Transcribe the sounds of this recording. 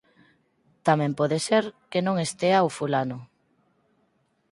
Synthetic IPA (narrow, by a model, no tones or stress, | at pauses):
t̪amɛ̃mpɔðeseɾkenõŋest̪eawfulanʊ